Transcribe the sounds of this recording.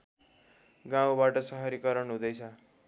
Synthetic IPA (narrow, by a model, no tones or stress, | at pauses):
ɡãw̃baʈʌsʌɦʌɾikʌɾʌnɦũd̪ʌjt͡sʰʌ